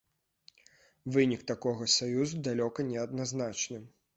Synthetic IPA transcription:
vɨnʲikt̪akɔɣɐsajuzud̪alʲɔkɐnʲɛɐd̪naznat͡ʂnɨ

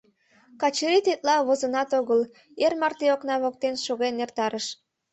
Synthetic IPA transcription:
kɑt͡ɕəɾit̪et̪̚lɑβozənɑt̪oɣəl | ermɑrt̪eoknɑβok̚t̪enʃoɣenert̪ɑɾəʃ

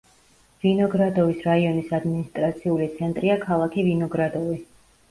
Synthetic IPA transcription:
vinɔɡɾad̪ɔvisɾaiɔnisad̪minist̪ʼɾat̪sʰiulit̪sʰɛnt̪ʼɾiakʰalˠakʰivinɔɡɾad̪ɔvi

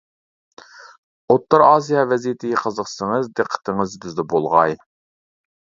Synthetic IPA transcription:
ot̪ːɑɾɑːsijɑvɛzit̪ʰɪjqʰəzəχsəŋəzd̪ɨqʰːə̥t̪ʰɪŋəzbɪzd̪ɛbolˠʁɑj

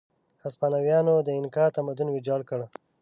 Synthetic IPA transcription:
aspɑnawjɑnod̪əɪnkɑt̪amad̪unwɪd͡ʒɑɽkəɽ

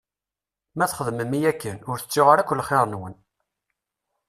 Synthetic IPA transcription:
mæθχəðməmijækːənʊɾθə̥t͡sːɪʁaɾækʷːəlχeɾˤənwən

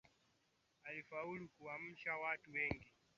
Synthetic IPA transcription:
alifaulukuam̩ʃawatuwɛŋɡi

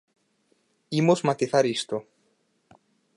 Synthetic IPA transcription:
imozmat̪iθaɾist̪o

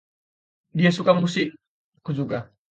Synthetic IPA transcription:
diasukamusi | kud͡ʒuɡa

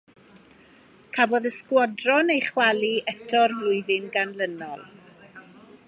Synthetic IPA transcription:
kʰavɔðəskwɔdrɔnejχwaliɛtʰɔrvlˠʊɨðɨnɡanlənɔlˠ

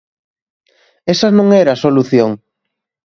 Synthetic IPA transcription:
esaɐnõŋɛɾasoluθjoŋ

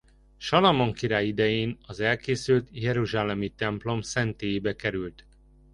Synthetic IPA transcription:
ʃɒlɒmoŋkiɾaːjid̪ɛjeːnɒzɛlkeːsylt̪jɛɾuʒaːlɛmit̪ɛmplo̞msɛnt̪eːjeːbɛkɛɾylt̪

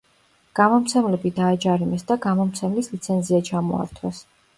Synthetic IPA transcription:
ɡ̥amɔmt̪sʰɛmlɛbid̪aːd͡ʒaɾimɛsd̪aɡamɔmt̪sʰɛmlislit̪sʰɛnziat͡ʃʰamɔ̰a̰ɾt̪ʰwɛs

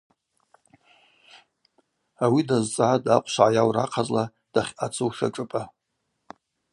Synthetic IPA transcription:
awidazt͡sʼʕadaqʷʰʼʃʕajawraqʰazla | d̥aχʲat͡sʰɨwʂa̰ʈ͡ʂʼɨpʼa

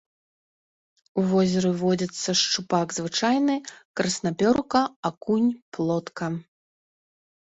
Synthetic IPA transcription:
uvɔzʲɐɾɨvɔd͡zʲɐt̪sːɐʂt͡ʂupaɡzvɨt͡ʂajnɨkɾɐsnapʲɔɾkɐakunʲplˠɔt̪kɐ

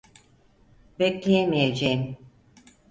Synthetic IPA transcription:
beclʲejemijed͡ʒejim

